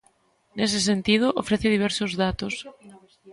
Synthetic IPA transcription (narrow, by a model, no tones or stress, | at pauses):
nes̬es̬ent̪ið̞oʔofɾeθeð̞iβ̞ɛɾsozðat̪os